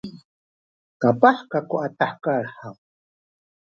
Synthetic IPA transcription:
kapaħkakuat̪aħkaɾħaw

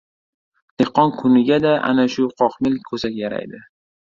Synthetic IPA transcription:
d̪̥eqʰːɒnkʰʊnɪɡʲad̪aʔa̰naʃʊqʰɒqmɪlkʰɵzakʲjaɾa̰jd̪ɪ

